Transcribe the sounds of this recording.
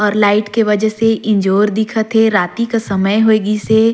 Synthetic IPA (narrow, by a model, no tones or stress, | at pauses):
ɔːɾlaːɪʈkeʋɐd͡ʒəseʔɪ̃ɲd͡ʒoːɾd̪ɪkʰət̪ʰeɾaːt̪ikasɐməjɦoeːɡise